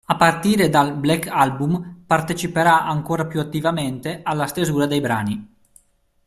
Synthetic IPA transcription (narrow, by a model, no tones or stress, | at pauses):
apart̪iːɾed̪alblɛkʰːalbumpart̪et͡ʃipeɾaʔaŋkoːɾapjuat̪ːivament̪eʔalːast̪ezuːɾad̪ejbɾa̰ːni